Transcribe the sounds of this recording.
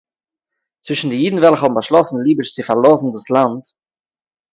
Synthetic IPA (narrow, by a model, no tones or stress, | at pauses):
t͡svɪʃn̩dɪjiːdn̩vɛlˠχhɔbm̩baʃlˠɔsn̩lˠiːbəʃt͡sɪfaɾlˠɔzn̩dʊslˠant